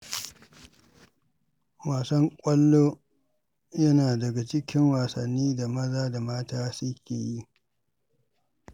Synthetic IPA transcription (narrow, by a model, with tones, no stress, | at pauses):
waː˨sɐ˦ŋkʷʼɐ˦lːoː˦ | jɐ˦naː˨dɐ˨ɡa˨t͡ʃɪ˦kʲɪ˦ŋwaː˨sɐ̰˨nːiː˦da˨mɐ˦zaː˦da˨maː˦taː˦sʊ˦kʲḛː˨ji˦